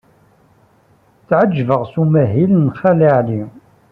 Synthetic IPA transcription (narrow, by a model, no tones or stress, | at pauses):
t͡sːʕəd͡ʒːvəʁsumæɦilnχæləʕli